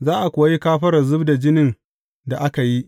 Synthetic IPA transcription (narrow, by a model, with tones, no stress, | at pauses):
zaː˦ʔa˨kʷʊː˨a˦ji˦kaː˦ɸɐ˦ɾɐ˨zʊ˦bda˨d͡ʒɪ˦nɪ˨n | da˨ʔa˦ka˨ji˦ʔ